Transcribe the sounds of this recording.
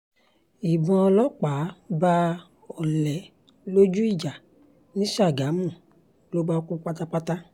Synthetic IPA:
i˨bɔ̃˧ɔ˧lɔ˦k͡pa˨˦ba˧ | ɔ˨lɛ˨ | lo˦d͡ʒu˦i˦˨d͡ʒa˨ | nĩ˨˦ʃa˦˨ɡa˨˦mũ˦˨ | lo˦ba˦˧kũ˦k͡pa˦ta˦k͡pa˦ta˦

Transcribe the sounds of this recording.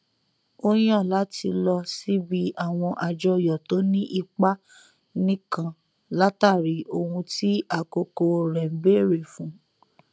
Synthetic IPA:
o˦j̃ã˦˨la˨˦ti˧lɔ˧si˦bi˦a˦˨w̃ɔ̃˧ʔa˧d͡ʒɔ˧jɔ˨to˨˦nĩ˦ʔi˧k͡pa˦ | nĩ˦kã˧ | la˦ta˦˨ɾi˨˦o˧hũ˧ti˦a˦˨ko˧ko˧ɾɛ˨m̩˦be˦˨ɾe˨fũ˨˦

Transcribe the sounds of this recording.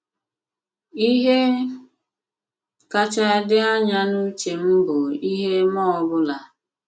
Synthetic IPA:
i˦ɦe˦ | ka˦t͡ʃa˦dɪ˦a˦ɲa˦nu˦t͡ʃe˨m̩˦bʊ˨i˦ɦe˦mɔ˦ɔ˦bʊ˦la˨

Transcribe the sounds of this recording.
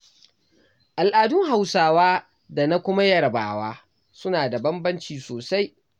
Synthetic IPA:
ʔa˨lʔaː˨dʊ˦ŋɦa˨wsaː˨waː˦ | da˨na˦kʷʊ˦ma˦jɐ˦ɽɐ˨ba̰ː˨waː˦ | sʊ˦naː˨da˨bɐ˦mbɐ˦nt͡ʃiː˨soː˨sa˦j

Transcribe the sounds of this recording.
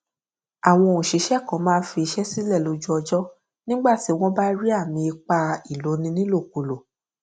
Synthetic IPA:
a˨w̃ɔ̃˧˨ũ˨ʃi˨˦ʃɛ˦˨kɔ̃˨˦mãː˦fi˧i˧ʃɛ˦si˦lɛ˦˨lo˧˦d͡ʒu˦ɔ˧d͡ʒɔ˦ | nĩ˦ɡ͡ba˦˨ti˨˦w̃ɔ̃˦ba˦ɾi˦a˦˨mĩ˧i˧k͡pa˧i˨lo˨˦nĩ˧˦nĩ˦lo˦˨ku˨lo˨

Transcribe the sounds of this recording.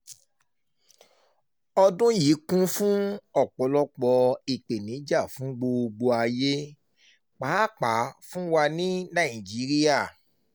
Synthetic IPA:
ɔ˧dũ˦ji˨˦kũ˦fũ˦ɔ˦˨k͡pɔ˨˦lɔ˦k͡pɔ˧i˨k͡pe˨nĩ˨˦d͡ʒa˦˨fũ˦ɡ͡bo˧ɡ͡bo˧a˧je˦ | k͡paː˨˦˨k͡pa˨˦fũ˦wa˧nĩ˦nã˦˨ĩ˨d͡ʒi˨˦ɾi˦ja˦˨

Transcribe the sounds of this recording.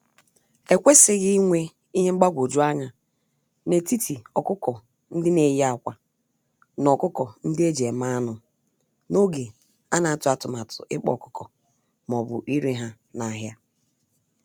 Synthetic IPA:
e˨kʷe˦sɪ˨ɣɪ˦i˦ŋʷe˦ | i˦ɲe˦ŋ͡m̩˦ɡ͡ba˦ɡʷo˨d͡ʒu˦a˦ɲa˨ | ne˨ti˦tʰi˨ɔ˨kʊ˦kɔ˨ | n̩˦dɪ˦ne˨ja˦˨kʷa˨ | nɔ˨kʊ˦kɔ˨n̩˦dɪ˦e˦d͡ʒe˨ma˦a˦nʊ˨ | no˦ɡe˨ | a˦na˨a˨tʊ˨˦a˨tʊ˨ma˨tʰʊ̰˨ʔɪ˦k͡pɔ̰˦˨kʊ̥˦kɔ˨ | mɔ˨bʊ̰˨ʔi˦ɾi˦ɦa˦ | na˨˦ɦja˦

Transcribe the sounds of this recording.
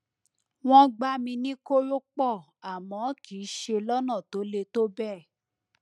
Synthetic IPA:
w̃ɔ̃˦ɡ͡ba˦mĩ˧nĩ˦ko˦ɾo˦k͡pɔ˦˨ | a˨mɔ̃˨˦kʰiː˨˦ʃe˧lɔ˦nã˦˨to˨˦le˧to˦bɛ˦˨

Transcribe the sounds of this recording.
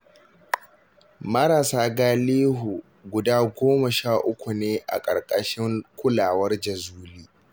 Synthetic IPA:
mɐ˦ɾaː˨saː˦ɡaː˦leː˦ɦu˨ | ɡʷʊ˨daː˦ɡʷoː˦mɐ˨ʃaː˦˨ʔʊ˦kʷu˨neː˦ʔa̰˨kʼɐ̰˨rkʼɐ˦˨ʃɪ˦ŋkʷʰʊ˦laː˨wɐ˦rd͡ʒɐ˨zuː˦liː˦

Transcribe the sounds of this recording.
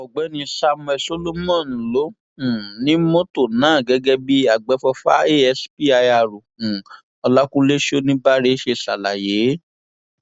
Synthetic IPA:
ɔ˨ɡ͡bɛ˨˦nĩ˧sa˧mũ˧ɛ˧so˦lo˦mɔ̃˦˨ñ˨lo˨˦ | ũ˨nĩ˦mo˦to˦˨nãː˨˦˨ɡɛ˨˧˦ɡɛ˧bi˦a˨ɡ͡bɛ˨˦fɔ˧fa˦e˦ɛ˧spi˦a˧ja˨ɾu˨ũ˨ | ɔ˧la˦kũ˦le˦ʃo˦nĩ˦ba˦ɾe˦ʃe˧sa˨la˨je˨˦

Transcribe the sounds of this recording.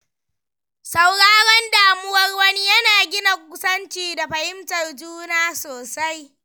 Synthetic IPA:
sa˦wɽaː˦ɾɛ˦ndaː˨mʊ˦wɐ˦rwɐ˦ni˦jɐ˦naː˨ɡʲɪ˦na˨kʷʊ˦sɐ˦nt͡ʃiː˨da˨ɸɐ˨hɪ˦mtɐ˨rd͡ʒuː˦naː˦soː˨sa˦j

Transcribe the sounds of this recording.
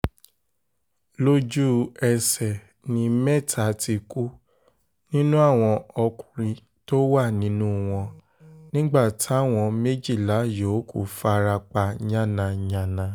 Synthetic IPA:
lo˦d͡ʒu˦ɛ˧sɛ˨ | nĩ˧mɛ˦˨tʰa˨˧ti˧ku˦ | nĩ˦nũ˦a˦˨w̃ɔ̃˧ɔ˧kũ̥˨ɾĩ˧ | to˦wa˦˨nĩ˨˦nũ˦w̃ɔ̃˧ | nĩ˦ɡ͡ba˦˨tʰi˦a˦˨w̃ɔ̃˧me˦d͡ʒi˦˨la˨˦jo˨˦kṵ˦˨fa˧ɾa˧k͡pa˧ɲã˦˨nã˧ɲã˨nã˧

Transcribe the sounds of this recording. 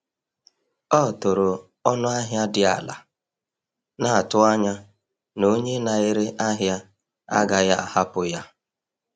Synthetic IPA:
ɔ˦˨to˨ɾo˨ | ɔ˦nʊ˦a˦ɦja˦dɪ˨a̰˨la̰˨ | na˨a˨tʊ˦a˦ɲa˦ | no˦ɲe˦na˨ɪ˦ɾe˦ʔa˦ɦja˦ | a̰˦ɡa˨ja˦a˨ha˦pʊ˨ja˦

